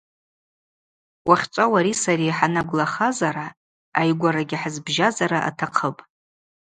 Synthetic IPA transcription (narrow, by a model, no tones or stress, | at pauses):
wʔaχʲt͡ʃʷʼawaɾisaɾiħanaɡʷlaχazaɾa | ajɡʷaɾaɡʲaħəzbʒazaɾaʔa̰tʰaqʰəpʼ